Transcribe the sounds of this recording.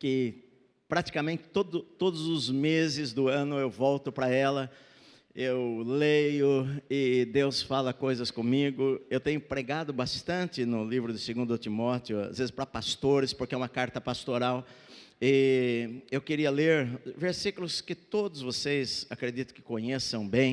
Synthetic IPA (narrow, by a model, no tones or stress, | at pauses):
kɪ | pɾat̪i̥kamẽnt̪ɪ̥t̪od̪ʊt̪od̪ʊzʊzmezɪzd̪ʊɐ̃nʊewvɔwt̪ʊpɾɐɛlɐ | ewlejʊɪd̪ewsfalɐkojzɐskõmiɡʊewt̪ẽɲʊpɾeɡad̪ʊbast̪ɐ̃nt̪ɪnʊlivɾʊd̪ɪseɡũnd̪ɐʊt̪imɔt̪ɪʊa̰zvezɪspɾɐpast̪oɾɪspoɾkɪɛũmɐkaɾt̪ɐpast̪oɾaw | ɪ | ewkɪɾiɐleɾveɾsikʊlʊskɪt̪od̪ʊzvosejzakɾed̪it̪ʊ̥kɪ̥kõɲesɐ̃w̃bẽj̃